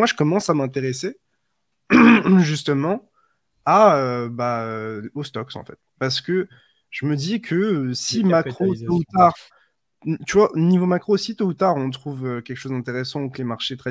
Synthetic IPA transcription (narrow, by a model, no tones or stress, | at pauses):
mwaʒə̥kɔmɑ̃samɛ̃t̪eʁese | ʒyst̪əmɑ̃ | aøbaøost̪ɔksɑ̰̃fɛt̪paʁsə̥kə | ʒ̥əməd̪ikʰəsimakkχot̪out̪aʁ | t̪yvwaʔonivomakχosit̪out̪aʁɔ̃t̪χuvøkʲɛlkə̥ʃozd̪ɛ̃t̪eʁesɑ̃klemaʁʃet̪χɛ